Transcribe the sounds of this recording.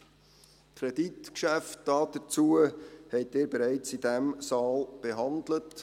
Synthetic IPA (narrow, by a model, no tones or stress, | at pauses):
kʰɾɛditkʃæft̚d̥ɑːd̥̪ət͡suəhɛɪteːɾbeɾæɪt͡sidæmsɑːlb̥eɦɑndlət